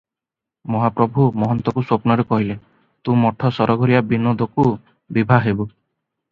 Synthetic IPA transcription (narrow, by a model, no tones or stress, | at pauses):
mɔɦapɾɔbʱumɔɦɔnt̪ɔkuswopnɔɾekɔɦile | t̪ũmɔʈʰɔsɔɾɔɡʱɔɾijabinod̪ʱɔku | bibʱaɦebu